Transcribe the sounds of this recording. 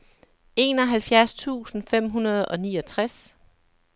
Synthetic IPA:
e̝ːnɒ̽ɦælfjæɐst͡sʰṵːsn̩fem̰ɦunɐð̞̩ˠɒ̽niːɒ̽t͡sʰʁas

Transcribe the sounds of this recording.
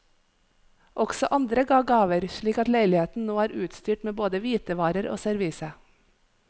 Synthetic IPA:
ʔɔɡ̥sɔʔɑnd̪ɾəɡɑːɡɑːʋəɾʃɭiːkɑt̪læɪlɪheːt̪n̩noːæːɾʉːt̪st̪yːʈmeːboːd̪əʋiːt̪əʋɑːɾəɾo̰ːsæɾʋiːsə

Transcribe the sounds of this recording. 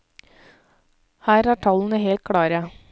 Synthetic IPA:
hæːɾæːʈʰɑln̩əheːlt̪̚kʰɽɑːɾə

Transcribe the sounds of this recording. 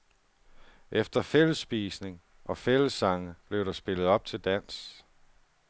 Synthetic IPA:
ʔefd̥ɐfel̰əsːb̥iːsne̝ŋ | ʔɒ̽fel̰əsːɑ̈ŋəb̥le̝ʊɾɑ̈sb̥e̝lð̩ˠɒ̽b̥̚t͡sʰe̝ld̥æn̰s

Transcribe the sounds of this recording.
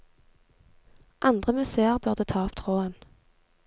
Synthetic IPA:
ʔɑnd̪ʁəmʉseːəʁbʉʁd̪ət̪ʰɑːɔpt̪ʰʁoːən

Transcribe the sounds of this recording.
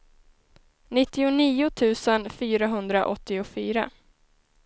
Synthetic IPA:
nɪt̪ːɪʊniːʊt̪ʰʉ̟ːsənfyːɾaɦɵnd̪ɾaʔɔt̪ːɪʊfyːɾa̰

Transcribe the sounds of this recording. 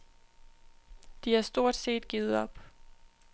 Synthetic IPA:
d̥iæɐsd̥o̝ɐ̰d̥se̝̰ːd̥̚ɡ̥iːð̩ˠɒ̽b̥

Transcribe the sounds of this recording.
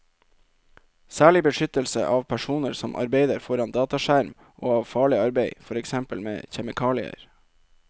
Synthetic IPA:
sæːɭɪbəʃʏt̪əlsə̰ʔɑːʋpʰæʂuːnəɾsɔmʔɑ̰ɾbeɪd̪əɾfɔɾɑnd̪ɑːt̪ɑʃæɾm | ʔoːɑːʋfɑːɭɪɑɾbeɪfɔɾɛksɛmpəlmḛːçɛmɪkʰɑːlɪə̰ɾ

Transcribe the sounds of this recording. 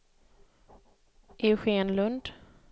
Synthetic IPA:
ʔɪɧeːnlɵnd̪

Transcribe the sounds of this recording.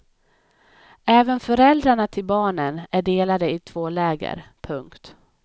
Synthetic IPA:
ɛːvənfœɾɛld̪ɾaɳat̪ʰɪlbɑːɳənæɖeːlad̪əɪt̪ʰv̥oːlɛːɡə̰ɾpʰɵŋkt̪

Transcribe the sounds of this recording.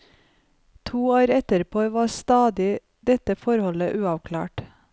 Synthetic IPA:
t̪ʰuːoːɾɛt̪əɾpʰoːʋɑːst̪ɑːd̪ɪ | d̪̥ɛt̪əfɔɾhɔləʔʉːɑʋkʰlæ̰ːʈ

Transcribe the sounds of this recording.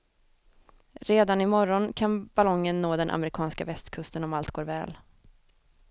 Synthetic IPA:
ɾeːd̪anɪmɔɾɔnkʰanb̥alɔŋːənːoːd̪ɛnʔa̰mɛɾɪkʰɑːnskavɛst̪kʰɵst̪ənɔmalt̪ɡoːɾvɛ̰ːl

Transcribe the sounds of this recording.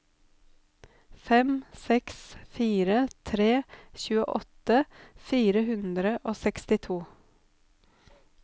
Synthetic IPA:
fɛmsɛksfiːɾət̪ʰɾeːçʉːəʔɔt̪əfiːɾəhʉnd̪ɾəʔoːsɛkst̪ɪt̪ʰuː

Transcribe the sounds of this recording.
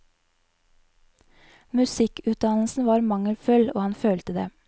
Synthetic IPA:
mʉsɪkʉːt̪̚d̪ɑnl̩sn̩ʋɑːɾmɑŋəlfœlo̰ːhɑnføːlt̪əd̪ḛː

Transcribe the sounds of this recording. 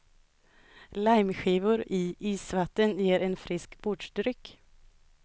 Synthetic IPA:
lajmɧiːvʊɾɪʔiːsvat̪ːənjeːɾɛnfɾɪskbʊɖʂd̪ɾʏkː

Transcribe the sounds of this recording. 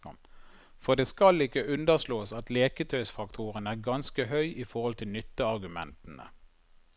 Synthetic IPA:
fɔʁd̪eːskɑlɪkːəʉnd̪əʁsloːsɑt̪leːkət̪ʰœʏsfɑkt̪ʰuːʁənæːʁɡɑnskəɦœʏʔifɔʁhɔlt̪ʰɪlnʏt̪ːəɑʁɡʉmɛ̰nt̪ənə̰

